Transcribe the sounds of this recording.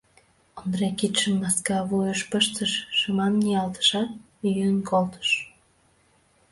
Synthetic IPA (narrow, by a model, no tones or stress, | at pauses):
ond̪ɾekit̪ʃəmːɑskɑβujəʃpəʃt̪əʃːəmɑnːiɑlt̪ə̥ʃɑt̪ | yjənkolt̪ə̥ʃ